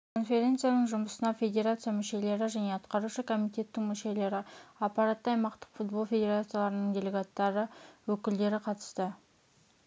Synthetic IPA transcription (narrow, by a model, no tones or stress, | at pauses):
kʰo̞nfʲe̞ɾʲe̞nt̪sɨjanəɴʒʊməsənɑfʲe̞d̪ʲe̞ɾat̪sɨjamʏʃe̞le̞ɾɪʒæne̞ɑt̪qɑɾuʃəkʰo̞mijt̪ʲe̞t̪ːɪŋmʏʃe̞le̞ɾɪɑpːɑɾat̪ːəɑjmɑqt̪ə̥qfut̪̚bo̞lˠfʲe̞d̪ʲe̞ɾat̪sɨijalˠɑɾənəɴd̪ʲe̞le̞ɡat̪ːɑɾəwɵkʲɪld̪e̞ɾɪqʰɑt̪ə̥st̪ə